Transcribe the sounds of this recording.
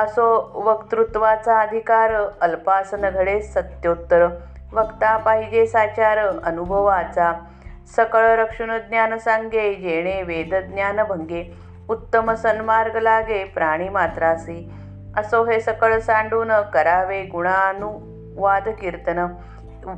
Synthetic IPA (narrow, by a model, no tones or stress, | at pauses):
əsoʋəkt̪ɾut̪ʋat͡saəd̪ʱikaːɾəlpasənəɡʱəɽesət̪jot̪ːəɾə | ʋəkt̪apaɦid͡ʑesat͡ɕaɾəənubʱəʋat͡sa | səkəɭɾəkʂunəd̪njaːnəsaŋɡed͡ʑeɽ̃eʋed̪əd̪njaːnəbʱəŋɡe | ut̪ːəməsənmaɾɡəlaːɡepɾaɽ̃iːmat̪ɾasi | əsoːɦesəkəɭsãɳɖuːnəkəɾaːʋeɡuɽ̃anu | ʋad̪kiɾt̪ənə